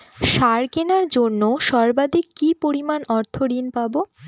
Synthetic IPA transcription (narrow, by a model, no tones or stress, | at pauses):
ʃaɾkenaɾd͡ʑonːoʃɔɾbad̪ʱikːipoɾimanɔɾt̪ʰoɾinpabo